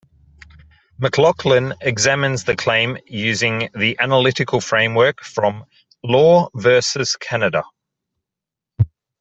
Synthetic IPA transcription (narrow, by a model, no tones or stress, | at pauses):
məkʰlɒkʰlə̃nɪɡzæmə̃nzðəkʰl̥ẽɪ̃mjʉːzɪ̃ŋðiʔænəlɪɾɪkʰəlˠfɹẽɪ̃mwɜˑkfɹə̃m | lɔːvɜˑsəz̥kʰænədə̰